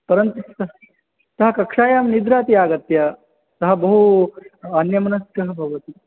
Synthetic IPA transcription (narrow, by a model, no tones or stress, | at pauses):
pɐɾɐnt̪ut̪ɐɦ | t̪ɐɦɐkɐkʂaːjaːmnid̪ɾaːt̪iaːɡɐt̪jɐ | sɐɦɐbɐɦu | ɐnjɐmɐnɐskɐɦɐbʱɐʋɐt̪i